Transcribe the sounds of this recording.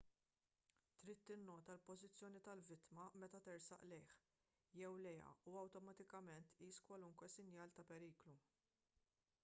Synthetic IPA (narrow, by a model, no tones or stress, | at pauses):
t̪ɾiːt̪ːɪnːɔːt̪ɐlpɔzɪt͡sːjɔːnit̪ɐlvɪt̪mɐmɛt̪ɐt̪ɪɾsɐ̰ʔlɛjħ | jɛwlɛjɐ̰uɐwt̪ɔmɐt̪ɪkɐmɛnt̪iːskwɐluŋkwɛsɪnjɐːlt̪ɐpɛɾiːklu